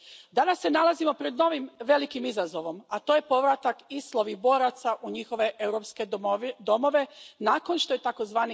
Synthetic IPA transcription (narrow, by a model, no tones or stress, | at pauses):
d̪anasːe̞nalˠazimo̞pɾe̞d̪no̞ʋimʋe̞likimizazo̞ʋo̞mat̪o̞je̞po̞ʋɾat̪akist̪lˠo̞ʋibo̞ːɾat̪saʔuɲixo̞ʋe̞ʔe̞wɾo̞pske̞d̪o̞mo̞ʋe̞naːko̞nʃt̪o̞jet̪ako̞zʋaːni